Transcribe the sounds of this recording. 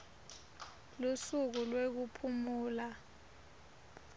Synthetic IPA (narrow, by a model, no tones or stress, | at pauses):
lusuk̬ulwek̬upʰumuːla